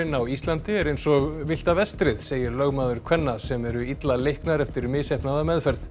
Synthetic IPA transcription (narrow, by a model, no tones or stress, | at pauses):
ɪnːawist̪lant̪ɪɛɾejnsɔɣvɪl̥t̪avɛst̪ɾɪðseːjɪɾlœɣmaːðʏɾ̥kkʰvɛnːasɛmɛɾʏit̪lalejhknaɾɛft̪ɪɾmɪsehpnaðamɛðfɛɾð